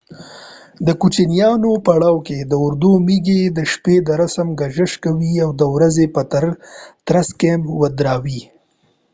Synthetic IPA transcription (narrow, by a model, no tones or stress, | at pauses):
d̪əkut͡ʃinijɑnopaɽɑwked̪əʊɾd̪umiɡed̪əʃped̪əɾasamɡaʒəʃkawiawd̪əwɾazepat̪aɾt̪ɾaskemwad̪ɾɑwi